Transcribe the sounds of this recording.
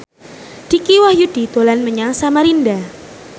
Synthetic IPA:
d̥ikiwahjud̥it̪olanməɲaŋsamaɾinda

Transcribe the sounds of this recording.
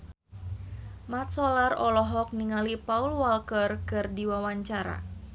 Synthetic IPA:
mat̪̚sɔlarɔlɔɦɔk̚niŋalipaulwalkərkɨrdiwawaɲt͡ʃaɾa̰

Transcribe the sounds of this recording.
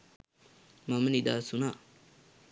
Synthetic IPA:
mamənid̪aːsuna

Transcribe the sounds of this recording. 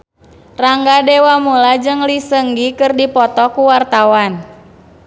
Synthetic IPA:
raŋɡadɛwamulad͡ʒɨŋlisəŋɡikɨrdipɔt̪ɔkuwart̪awan

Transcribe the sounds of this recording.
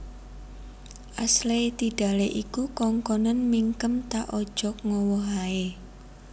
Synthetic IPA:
ʔaslet̪iɖ̥a̤leʔikukɔŋkɔnanmiŋkəmt̪aʔɔd̥ʒ̥ɔ̤k̚ŋɔwɔɦae

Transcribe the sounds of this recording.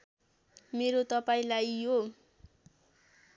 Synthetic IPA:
meɾot̪ʌpaĩlajjo

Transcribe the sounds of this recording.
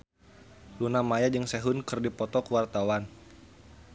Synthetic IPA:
lunamajad͡ʒəŋsɛɦʊnkɨrdipɔt̪ɔkuwart̪awan

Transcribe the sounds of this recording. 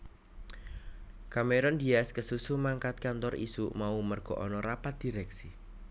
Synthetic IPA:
kameɾɔnd̪iaskəsusumaŋkat̪̚kant̪ɔrḭsuʔmaumərɡ̥ɔ̤ʔɔnɔɾapat̪̚d̪̥i̤ɾɛksi

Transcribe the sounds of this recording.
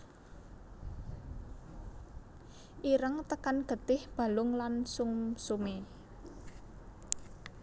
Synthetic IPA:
ʔiɾəŋt̪əkanɡ̥ə̤t̪ɪhb̥a̤lʊŋlansʊŋsume

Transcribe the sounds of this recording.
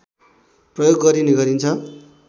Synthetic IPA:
prʌjoɡːʌɾineɡʌɾint͡sʰʌ

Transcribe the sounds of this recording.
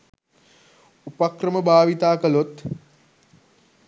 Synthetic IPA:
upakrəməbʱaːʋit̪aːkəlot̪

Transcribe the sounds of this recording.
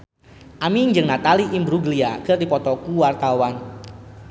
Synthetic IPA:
ʔamiŋd͡ʒɨŋnat̪aliʔimbɾuɡliakɨrdipɔt̪ɔkuwart̪awan

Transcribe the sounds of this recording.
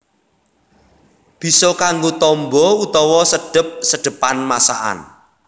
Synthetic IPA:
b̥i̤sɔkaŋɡot̪ɔmbɔut̪ɔwɔsəɖ̥ə̤p̚səɖ̥ə̤panmasa̰ʔa̰n

